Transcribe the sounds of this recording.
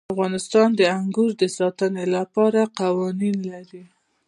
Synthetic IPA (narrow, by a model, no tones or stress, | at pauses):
fɣɑnɪst̪ɑnd̪əaŋɡuɾd̪əsɑt̪ənelapɑɾaqawɑninlaɾi